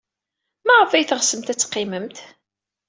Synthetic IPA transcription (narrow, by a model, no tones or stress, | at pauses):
mæʕəfæjθʁsəmt̪æt͡sːqːiməmt̪